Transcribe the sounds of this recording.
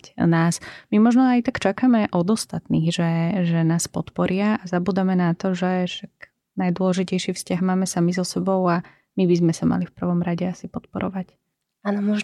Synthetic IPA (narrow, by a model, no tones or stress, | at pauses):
naːsmimɔʒnɔajt̪akt͡ʃakamɛʔɔd̪ɔst̪at̪niːɣʒɛʒɛnaːspɔt̪pɔɾɪaazabuːd̪amɛnat̪ɔʒɛʃak | najd̪ʊɔlɛʒicɛjʃiːfscaɦmaːmɛsamizɔsɛbɔʊa | mibizmɛsama̰lifpr̩ʋɔmɾaɟɛasipɔt̪pɔɾɔ̰ʋac | anɔmɔʒ